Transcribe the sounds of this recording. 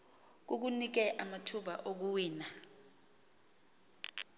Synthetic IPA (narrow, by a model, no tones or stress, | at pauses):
k̬uk̬unik̬ɛʔamatʰuɓa̰ʔok̬uwiːna